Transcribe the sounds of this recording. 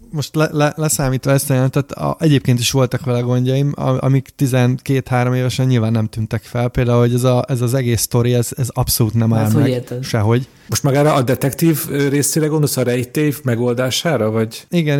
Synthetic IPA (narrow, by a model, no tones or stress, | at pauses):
mo̞ʃt̪lɛlɛlɛsaːmiːt̪ʋɒɛst̪jɛlɛmt̪aːt̪ʔɛɟeːp̚keːnt̪iʃʋo̞lt̪ɒkʋɛlɛɡo̞ɲɟɒjim̰ɒ̰mikt̪izɛnkeːt̪haːɾo̞meːvɛʃɛɲɲilvaːnːɛmt̪ynt̪ɛkfɛlpeːld̪aːulho̞ɟɛzɒʔɛzɒzɛɡeːst̪o̞ɾiɛzɛzɒpso̞luːt̪nɛmaːlmoɛɡet̪ɛʃɛɦo̞ɟ | moʃt̪mɒɡaːɾɒʔːd̪ɛt̪ɛkt̪iːvøɾeːseːɾɛɡond̪o̞sɒɾɛjit̪evmɛɡo̞ld̪aːʃaːɾɒvɒɟiɡɛn